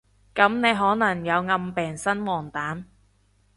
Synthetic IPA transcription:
kɐ˨˥mne˨˧jɦɔː˨˥nɐ˨˩ŋjɐ˨˧wŋɐ˧mpɛː˨˩ŋsɐ˥nwɔː˨˩ŋt̪aː˨˥m

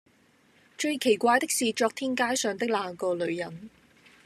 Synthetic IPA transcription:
t͡ʃɵ˧ɥkʰe˨˩jkʷaː˧jt̪ɪ˥k̚siː˨t͡ʃɔː˧k̚t̪ʰiː˥nkaː˥jsœː˨˧ŋt̪ɪ˥k̚laː˨˧ŋkɔː˧lɵ˨˧ɥjɐ˨˥n

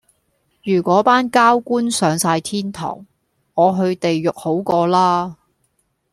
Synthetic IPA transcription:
jyː˨˩kʷɔː˨˥paː˥nkaː˥wkuː˥nsœː˨˧ŋsaː˧jt̪ʰiː˥nt̪ʰɔ̰ː˨˩ŋ | ɔː˨˧ɦɵ˧ɥt̪e˨jːʊ˨k̚ho˨˥wkɔː˧laː˥

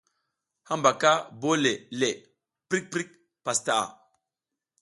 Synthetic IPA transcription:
ha˦mba˨ka˦bo˦le˨le˨ | pɾi˦k̚pɾi˦k̚ | pa˨sta˨ʔa̰˨

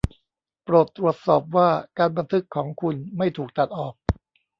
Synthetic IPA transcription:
pɾoː˨˩t̪ːɾu˨˩ət̪̚sɔː˨˩p̚waː˥˩kaː˧nba˧nt̪ʰɯ˦˥kʰːɔː˩˦ŋkʰu˧nma˥˩jt̪ʰuː˨˩k̚t̪ʰa˨˩t̪̚ʔɔː˨˩k̚

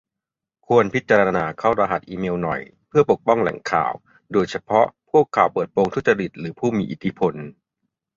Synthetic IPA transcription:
kʰu˧ənpʰi˦t̪̚t͡ɕaː˧ɾa˧a˧naː˧kʰaː˥˩wɾa˧ɦa˨˩t̪̚ʔiː˧meː˧wnɔ̰˨˩j | pʰɯ˥˩ɐpo˨˩k̚pɔ˥˩ŋlɛ̰˨˩˦ŋkʰa̰ː˨˩w | doː˧jt͡ɕʰa˧pʰɔ˦˥ʔpʰu˥˩əkʰːa̰˨˩wpɤː˨˩t̪̚poː˧ŋt̪ʰu˦˥t̪̚t͡ɕa˧ɾi˨˩t̪̚ɾɯː˩˦pʰuː˥˩miː˧ʔi˨˩t̪ʰːi˦pʰo˧n

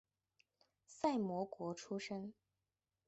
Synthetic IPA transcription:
sa˥˩ɪmwɔ˧˥kwɔ˧˥ʈ͡ʂʰu˥ʂə˥ŋ

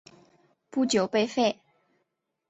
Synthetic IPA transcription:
pu˥˧t͡ɕjo˨˩ʊpe˥˧ɪfe˥˩ɪ

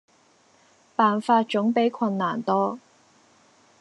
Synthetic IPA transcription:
paː˨nfaː˧t̚t͡ʃʊ˨˥ŋpe˨˥jkʰɐ˧nːaː˨˩nt̪ɔː˥

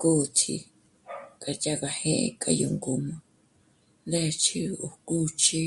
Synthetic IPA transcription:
ku˦˨˧t̪ʰḭ˧ | ka˧t͡ʃa˦ka˧hẽ˦ʔḛ˧kʼa̰˧jo˧ŋɡu˨mã˨ | nd̪e˦˧t͡ʃʰi˦u˨ku˦t͡ʃʰi˦

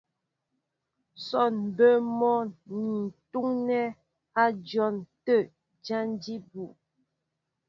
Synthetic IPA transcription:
sɔ˦˨n˨bə˦mɔ˦ni˨n̩˨tu˦ŋnɛ˦ | a˦d͡ʒjɔ˦˨ntə˦˨ | d͡ʒa˦n˦di˦bu˨

